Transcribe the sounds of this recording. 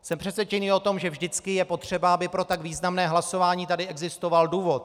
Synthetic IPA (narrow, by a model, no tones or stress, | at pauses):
sɛmpr̝̥ɛt̪svjɛt͡ʃɛniːo̞t̪o̞mʒɛvʒdɪt͡skɪjɛpo̞t̪r̝̥ɛbaabɪpɾo̞t̪aɡviːznamnɛːɦlaso̞vaːɲiːt̪adɪɛɡzɪst̪ovalduːvo̞t̪̚